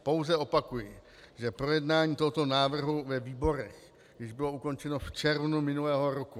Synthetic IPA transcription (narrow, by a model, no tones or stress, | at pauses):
po̞wzɛo̞pakujɪ | ʒɛpɾo̞jɛdnaːɲiːt̪oɦot̪o̞naːvr̩ɦuvɛviːbo̞ɾɛx | jɪʒbɪlo̞uko̞nt͡ʃɛno̞ft͡ʃɛɾvnumɪnulɛːɦo̞ɾoku